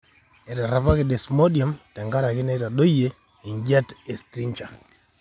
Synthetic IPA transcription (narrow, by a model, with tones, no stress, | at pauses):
e˨ta˨ɾa˦pa˦kɪ˨de˨smo˦dia˨mtɛ˨ŋɡa˦ɾa˨kɪ˦nɛ˦ta˨ɗo˦je˦ | i˨ɲɡa˦te˨stɾi˦ɲt͡ʃa˨